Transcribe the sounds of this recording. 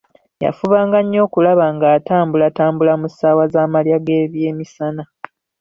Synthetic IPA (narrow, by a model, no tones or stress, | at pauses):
ja̰fuβaːŋɡaɲːo̞ːkulaβaŋɡaːtaːmbulataːmbulamusaːwazaːmaljaɡe̞ːβje̞ːmisana